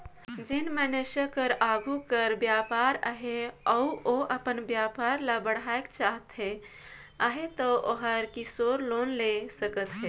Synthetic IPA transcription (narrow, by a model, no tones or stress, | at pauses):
d͡ʒenməneʃəkəɾaɡukəɾbjapaɾə̰ɦeəuʔoʔəpənbjapaɾlabəɽ̤aekt͡ʃaɦət̪ɦe | əɦet̪əʔoɦəɾkisoɾlonlesəkət̪ɦe